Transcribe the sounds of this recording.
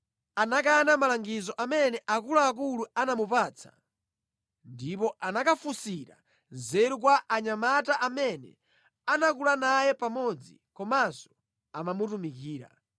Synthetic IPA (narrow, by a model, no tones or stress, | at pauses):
anak̬anamalaŋɡizɔʔamɛnɛʔakulaːk̬uluanamupat͡sʰḁ̰ | ndipɔʔanakafusiɾa̰ | nzɛɾuk̬waʔaɲamataʔamɛnɛ̰ | anak̬ulanajɛpamɔd͡zḭkɔmazɔ̥ | amamutumik̬iːɾa̰